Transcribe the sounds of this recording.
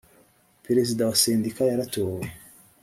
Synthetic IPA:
peɾe̞zidawaseːndikajaɾatoːwe

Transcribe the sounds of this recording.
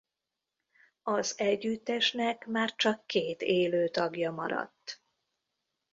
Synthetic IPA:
ɒzɛɟːyt̪ːɛʃnɛkmaːrt͡ʃɒkːeːt̪eːløːt̪ɒɡjɒmɒ̰ɾɒ̰t̪ː

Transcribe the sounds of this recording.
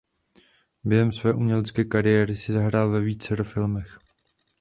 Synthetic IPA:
bjɛɦɛmsvɛːʔumɲɛlɛt͡skɛːkaɾɪjɛːɾɪsɪzaɦɾaːlvɛviːt͡sɛɾofɪlmɛx

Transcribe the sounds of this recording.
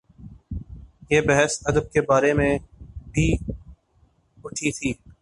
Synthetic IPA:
jeːbɛɦəsɐd̪əb̚kebaːɾemẽbʱi | ʊʈʰit̪ʰiː

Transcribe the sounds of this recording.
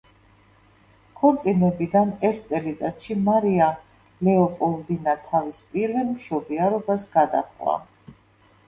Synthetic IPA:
kʰɔɾt̪sʼinɛbid̪anɛɾt̪ʰt̪sʼɛlit̪sʼat̪ʃimaɾia | lɛɔpʼɔld̪inat̪ʰavispʼiɾvɛlmʃɔbiaɾɔbasɡad̪a̰χwa̰

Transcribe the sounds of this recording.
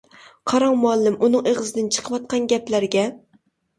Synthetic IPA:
qʰɑɾɑŋmuɑlˠːɪmʔunɨŋeʁɨzɨd̪ɨnt͡ʃʰə̥qʰəʋɑt̪̚qʰɑnɡʲɛplæɾɡʲɛ

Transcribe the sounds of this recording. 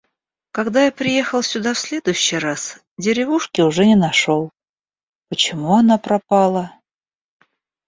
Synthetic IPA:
kɐɡd̪ajapɾʲɪje̞xəlˠsʲʊd̪afsʲlʲe̞d̪ʊjʊɕːɪjras | dʲɪɾʲɪvuʂkʲɪʊʐɛnʲɪnɐʂolˠ | pət͡ɕɪmuɐnapɾɐpɑlˠə

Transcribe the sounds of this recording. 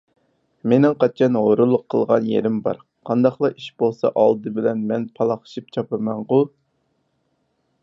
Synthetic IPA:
menɪŋqʰɑt͡ʃʰɑnʁoɾulˠːʊqʰːə̰lˠʁɑnjḛɾɪmbɑ̰ɾ | qʰɑnd̪ɑχlˠɑʔiʃb̥olˠsɑʔɑlˠd̪ɨbɪlɛnmɛnpʰɑlˠɑχə̥ʃip̚t͡ʃʰɑpɨmɛnʁʊ

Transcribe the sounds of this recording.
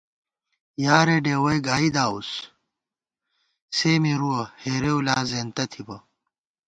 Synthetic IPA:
jaːɾeɖeːwɐjɡaːid̪aːus | seːmiɾuɐheːɾeulaːzeːnt̪ɐt̪ʰibɐ

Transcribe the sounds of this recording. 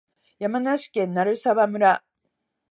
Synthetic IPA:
jamanaɕi̥kẽ̞nːaɾɯ̟saβamɯ̟ɾa

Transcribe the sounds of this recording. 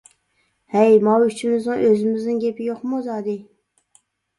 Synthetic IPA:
hɛjmɑwyt͡ʃʰimɪznɨŋʔøzɪmɪznɪŋɡʲepʰɪjoqmuzɑːd̪ɨ

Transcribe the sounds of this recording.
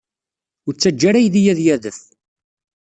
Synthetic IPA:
ʊɾt͡sːæd͡ʒːaɾæjðijæðjæðəf

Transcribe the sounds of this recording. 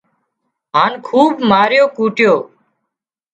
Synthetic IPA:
ɦaːnkʰuːbmaːɾjoːkuːʈjoː

